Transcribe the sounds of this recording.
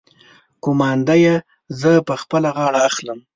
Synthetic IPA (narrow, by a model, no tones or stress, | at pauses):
kʊmɑnd̪aje | zəpəxpəlaɣɑɽaːxləm